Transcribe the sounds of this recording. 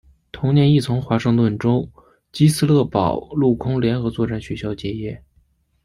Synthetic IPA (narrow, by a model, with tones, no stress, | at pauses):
t̪ʰʊ˧˥ŋnjɛ˧˥ni˥˩t͡sʰʊ˧˥ŋxwa˧˥ʂɤ˥˧ŋt̪wə˥˩nʈ͡ʂo˥ʊ | t͡ɕi˥sɹ̩˥lɤ˥˩pɑ˨˩ʊlu˥˩kʰʊ˥ŋljɛ˧˥nxɤ˧˥t͡swɔ˥˧ʈ͡ʂa˥˩nɕɥɛ˧˥ɕjɑ˥ʊt͡ɕjɛ˧˥˩jɛ˥˩